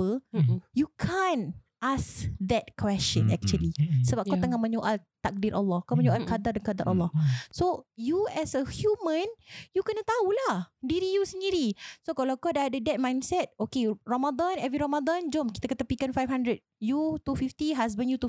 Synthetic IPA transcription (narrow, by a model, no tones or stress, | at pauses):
əjukʰãn | ʔasd̪ɛt̪̚kwɛst͡ʃə̃nɛ̰k̚t͡ʃuəlisəbap̚kat̪əŋaʔmə̃ɲoʔalt̪ak̚diɾʔa̰lːɔhkamə̃ɲoʔalkad̪ardankad̪aɾʔa̰lːɔhsojuɛsəhjumə̃njukənat̪aulahdiɾijusəndiɾisokalawkɔdaadədɛt̪̚mãj̃nsɛt̪̚okeramad̪ãnɛvɾiɾamad̪ãnd͡ʒɔmki̥t̪akat̪apikanfajfhandɾəd̚jut̪ufift̪iɦas̬bə̃njut̪u